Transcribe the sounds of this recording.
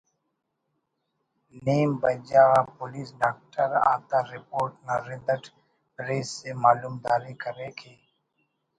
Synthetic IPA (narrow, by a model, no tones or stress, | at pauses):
neːmbəd͡ʒaːapʊliːsɖaːk̚ʈəɾa̰ːt̪aɾɪpoːɾʈnaɾɪd̪əʈ | pɾeːsːemaːluːmd̪aːɾekəɾeːkʰeː